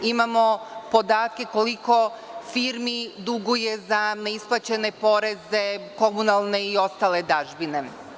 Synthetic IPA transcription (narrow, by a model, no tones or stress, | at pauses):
imamo̞po̞d̪aːt̪̚ke̞ko̞liko̞fiːɾmid̪uɡuje̞zaneisplˠat͡ɕe̞ne̞po̞ɾe̞ze̞ko̞munalˠne̞io̞st̪aːle̞d̪aʒbine̞